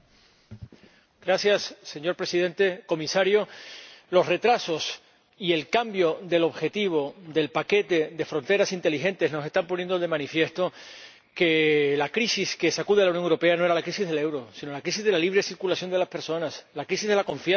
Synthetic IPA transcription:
ɡɾasjasːe̞ɲo̞ɾpɾe̞siðẽ̞nt̪e̞ko̞misaɾjolo̞sre̞t̪ɾaso̞s | ie̞lkambjo̞ðe̞loβxe̞t̪iβ̞o̞ðe̞lpake̞t̪e̞ðe̞fɾo̞nt̪e̞ɾasint̪e̞lixe̞nt̪ezno̞se̞st̪amponje̞nd̪oðe̞mãnifje̞st̪o̞ | ke̞lakɾisiske̞sakuðe̞lawnjoŋewɾo̞pe̞ano̞eɾalakɾisizðele̞wɾo̞sino̞lakɾis̬izðe̞laliβ̞ɾe̞siɾkulasjo̞nd̪e̞laspe̞ɾso̞naslakɾisizðe̞lako̞ɱfja

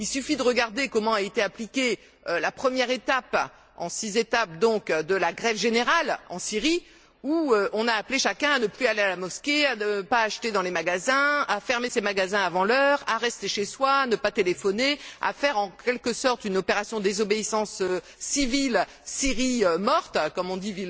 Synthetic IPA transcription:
ilsyfid̪əʁəɡaʁd̪ekɔmɑ̃aet̪eaplikʲe | ølapχəmjɛʁet̪ap | ɑ̃sizet̪ap̚d̪ɔ̃kd̪əlaɡʁɛvʒeneʁalɑ̃siʁi | uøʔɔ̃naːpleʃakʲɛ̃anəplyalealamɔskʲeanəpaːʃt̪ed̪ɑ̃lemaɡazɛ̃afɛʁmesemaɡazɛ̃avɑ̃lœʁaʁɛst̪eʃeswaːnəpat̪elefɔnea̰fɛʁɑ̃kʲɛlkəsɔʁt̪ynɔpeʁasjɔ̃d̪ezɔbeisɑ̃søː | ivil | siʁiømɔʁt̪kɔmɔ̃d̪ivil

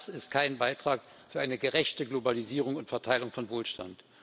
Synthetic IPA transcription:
sɪst̚kʰaɪnbaɪtʁ̥aːk | fyːɐʔaɪnəɡəʁɛçtəɡlobaliziːʁ̞ʊŋʊntfɛɐtʰaɪlʊŋfɔnvoːlʃta̰nt

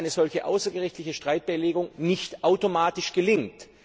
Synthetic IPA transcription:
ɪnəzɔlçəʔa̰ʊsɐɡəʁɪçtlɪçəʃtʁ̥aɪt̚b̥aleːɡʊŋnɪçtʔaʊtomaːtɪʃɡ̥əlɪŋt

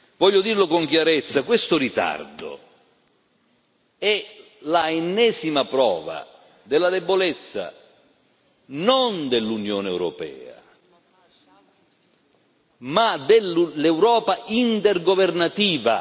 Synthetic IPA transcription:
vɔʎːʊd̪irlʊkoŋkjaɾet̪sːakwest̪ʊɾit̪a̰rd̪o̰ | ɛ | laenːɛːsimapɾɔ̰ːva̰ | d̪ɪlːad̪ɛbːolɛt̪sːa̰ | nond̪elːunjoːnɛ̰wɾɔ̰pɛ̰ːa̰ | mad̪ellɛwɾɔːpaint̪ɛrɡovernat̪iːva̰

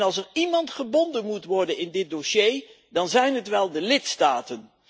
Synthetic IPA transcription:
nɑlˠsəɹimɑntχəbɔndənmutʋɔɹdənɪndɪt̚doʃej | dɑnzɛjnɦətʋɛlˠdəlɪtstaːtən

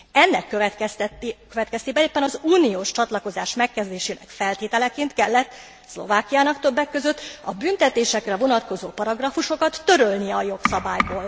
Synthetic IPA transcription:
ɛnːɛkːø | køvɛt̪kɛst̪eːbɛeːpːɛnɒzuːnijoːʃt͡ʃɒt̪lɒko̞zaːʃmɛkːɛzd̪eːʃeːnɛ̰kfɛlt̪eːt̪ɛlɛkeːnt̪kɛlːɛt̪ː | slo̞̰vaːkijaːnɒkt̪ø̞bːɛkːø̞zøt̪ːɒbynt̪ɛt̪eːʃɛkrɛvo̞nɒt̪ko̞zoːpɒɾɒɡrɒfuʃo̞kɒt̪ːø̞ɾølniɛɒjo̞ksɒbaːjboːl

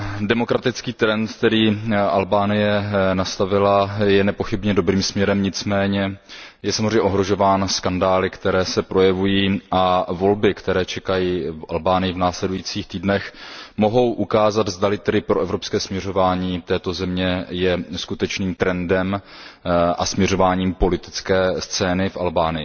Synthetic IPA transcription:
dɛmo̞kɾat̪ɪt͡skiːt̪ɾɛnt̪kt̪ɛɾiːʔalbaːnɪjɛnast̪avɪlajɛnɛpo̞xɪbɲɛdo̞bɾiːmsmɲɛɾɛmɲɪt͡smɛːɲɛjɛsamozrɛmɲɛʔoɦɾo̞ʒo̞vaːnskandaːlɪkt̪ɛɾɛːsɛpɾo̞jɛvujiːʔavo̞lbɪkt̪ɛɾɛːt͡ʃɛkajiːfʔa̰lbaːnɪjɪvnaːslɛdujiːt͡siːxt̪iːdnɛxmo̞ɦo̞wʔukaːzat̪zd̪alɪt̪ɛdɪpɾoʔɛvɾopskɛːsmɲɛro̞vaːɲiːt̪ɛːt̪o̞zɛmɲɛjɛskut̪ɛt͡ʃniːmt̪ɾɛndɛm | ʔa̰smɲɛɾo̞vaːɲiːmpo̞lɪt̪ɪ̥t͡skɛːst͡sɛːnɪfʔa̰lbaːnɪjɪ

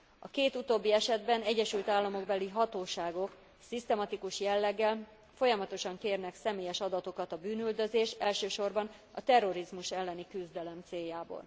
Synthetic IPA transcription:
ɒkeːt̪ut̪oːbːiɛʃɛd̪bɛnɛɟːɛʃylt̪aːlːɒmo̞ɡbɛliɦɒt̪oːʃaːɡo̞k | sist̪ɛmɒt̪ikuʃjɛlːɛɡːɛl | fo̞jɒmɒt̪o̞ʃɒŋkeːrnɛksɛmeːjɛʃɒd̪ɒt̪o̞kɒt̪ɒbyːnyld̪ø̞zeːʃɛlʃøːʃo̞rbɒn | ɒt̪ɛrːo̞ɾizmuʃɛlːɛnikyzd̪ɛlɛmt̪seːjːaːbo̰ːl

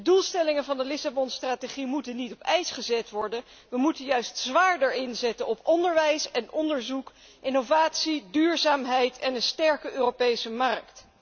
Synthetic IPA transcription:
dədulˠstɛlɪŋənvɑndəlɪsabɔnstraːteχimutənitɔpɛjsχəzɛtʋɔɹdən | ʋəmutənjœɥstsʋaːɹdəɹɪnzɛtənɔpɔndəɹʋɛjsɛnɔndəɹzuk | ʔɪnovaːtsidyːɹzaːmɦɛjtʰɛnənstɛɹkəʔøːropejsəmɑrkt

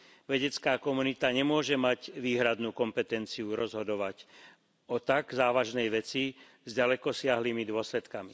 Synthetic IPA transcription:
ʋɛɟɛt͡skaːkɔmunit̪aɲɛmʊɔʒɛmaɟʋiːɦɾad̪nuːkɔmpɛt̪ɛnt͡siuɾɔzɦɔd̪ɔʋac | ɔt̪aɡzaːʋaʒnɛjʋɛt͡si | zɟalɛkɔsɪaɦliːmid̪ʊɔslɛt̪kami

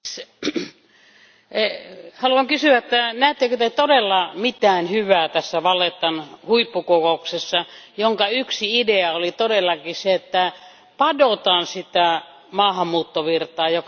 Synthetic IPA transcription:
hɑluɑŋkysyæet̪ːænæht̪ːekøt̪et̪odelːɑmit̪æːnhyʋæːt̪æsːæʋɑlːˑet̪ːɑnhuipːukokouksesːɑjoŋkɑyksiideɑolit̪odelːɑkiseet̪ːæ | pɑdot̪ɑːnsit̪æ | mɑːhɑmːuːt̪ːoʋirt̪ɑːjok

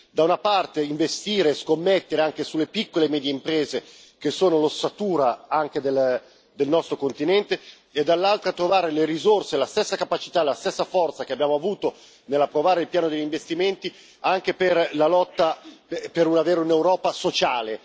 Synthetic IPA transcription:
d̪aunapart̪eiɱvest̪iːɾeskomːet̪ːeɾeaŋk̟esulːepikːolemɛːd̪jeimpɾeːze | k̟esːoːnolosat̪uːɾaaŋk̟ed̪el | d̪elnɔst̪ɾokont̪inɛnt̪eː | d̪alːalt̪ɾat̪ɾovaːɾeleɾizorselast̪esːakapat͡ʃi̥t̪alast̪esːafɔrt̪sak̟eabjaːmoavuːt̪o | nelːapːɾovaːɾeilpjaːnod̪eʎːiɱvest̪iment̪i | aŋk̟eperlalɔt̪ːappeɾunaveːɾeunewɾɔːpasot͡ʃaːle

